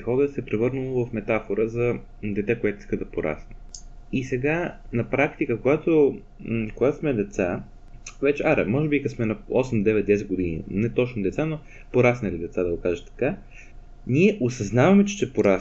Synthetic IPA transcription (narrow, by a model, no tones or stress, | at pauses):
xɔɡəsɛpɾɛvɤɾnɐlˠovɐfmɛt̪afoɾəzɐ | d̪ɛt̪ɛkoɛt̪oi̥skəd̪ɐpoɾʔa̰snəisɛɡanɐpɾakt̪ikəkoɡat̪o | koɡat̪osmɛd̪ɛt̪sa | vɛt͡ʃɛʔaɾɛ̰mɔʒɛbikɐsmɛnɐɔsɛmd̪ɛvɛt̪̚d̪ɛsɛd̪̚ɡʊd̪inḭnɛt̪ɔt͡ʃnod̪ɛt̪sano | poɾasnɐlid̪ɛt̪sad̪ɐɡokaʒət̪ːɐ̥ka | niɛʔosɐznavɐmɛt͡ʃɛ̥ʃt̪ɛpoɾas